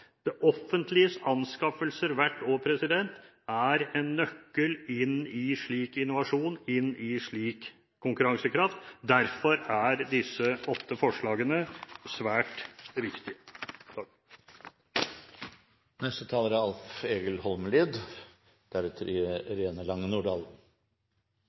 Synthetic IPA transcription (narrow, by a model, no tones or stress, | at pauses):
d̪̥ɛʔɔfənt̪ʰlɪəsɑnskɑfəlsəɾʋæʈːoːpʰɾɛsɪd̪ɛnt̪ | æɾɛnːœkːəlɪnɪʂɭiːkɪnʊʋɑʂuːnɪnɪʂɭiːk | kʰːʊŋkʉɾɑŋsəkʰɾɑft̪d̪æɾfɔɾæɾd̪ɪsːəɔt̪ːəfɔʂɭɑːɡənəsʋæːʈʋɪkt̪ɪə | nɛst̪ət̪ʰɑːləɾæɑlfeːɡəlhɔlməliːd̪ | d̪̥æɾʉːt̪ʰəɾɪɾeːnəlɑŋːənuːɖɑːln̩